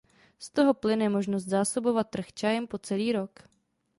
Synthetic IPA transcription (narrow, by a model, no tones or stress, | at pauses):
st̪o̞ɦo̞plɪnɛmo̞ʒnos̬t̪zaːso̞bo̞vat̪̚ːr̩xt͡ʃajɛmpo̞t͡sɛliːɾo̞k